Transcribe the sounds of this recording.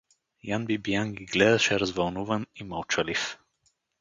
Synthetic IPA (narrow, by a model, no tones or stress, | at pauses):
janbibijanɡʲiɡlɛd̪ɐʃɛɾɐzvɐlˠnuvɐnimalˠt͡ʃalif